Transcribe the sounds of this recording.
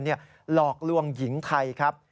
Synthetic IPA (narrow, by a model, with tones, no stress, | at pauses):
nːi˥˩ɐ | lɔː˨˩k̚lu˧əŋji˩˦ŋt̪ʰa˧jkʰa˦˥p̚